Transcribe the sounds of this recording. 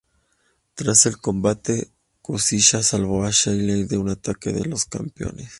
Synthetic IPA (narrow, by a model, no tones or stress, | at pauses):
t̪ɾase̞lko̞mbat̪e̞ | kosiʃasalβoaʃajlejðe̞unat̪ake̞ðe̞̰lo̞ska̰mpjo̞̰nes